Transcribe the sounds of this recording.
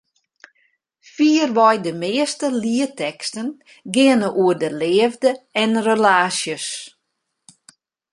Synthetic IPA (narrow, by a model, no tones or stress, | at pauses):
fiərʋɔjdəmeɪːəstəliətɛkstən | ɡɪənəʔuərdəlɪəvdəɛnrəlaːsjəs